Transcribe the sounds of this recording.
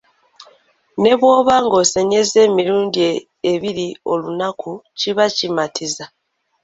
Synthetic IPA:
ne̞βwo̞ːβaːŋɡo̞ːse̞ɲe̞ze̞ːmiɾuːndie | eβiɾio̞lunakʰuciβacimatʰiza

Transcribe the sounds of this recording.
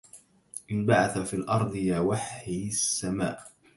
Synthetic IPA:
ʔɪnbaʕaθafiːlʔɑɾˤd̪ˤjaːwaħɪsːama̰ːʔ

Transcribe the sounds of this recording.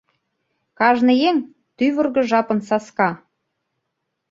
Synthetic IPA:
kɑʒnɤ̆jeŋ | t̪yβə̆rɣɤ̆ʒɑpɤ̆nsɑskɑ

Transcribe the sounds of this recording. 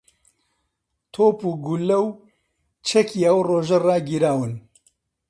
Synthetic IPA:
t̪ʰoːpuːɡulːɐw | t͡ʃʰɛkiːɐwroːʒɐraːɡiɾaːwɨn

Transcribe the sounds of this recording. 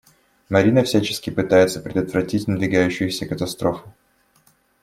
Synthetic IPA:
mɐɾʲinəfsʲæt͡ɕɪ̥skʲɪpɨt̪ajɪt̪səpɾʲɪd̪ət̪vrɐtʲitʲnəd̪vʲɪɡajʉɕːɪjʊsʲəkət̪ɐst̪ɾofʊ̥

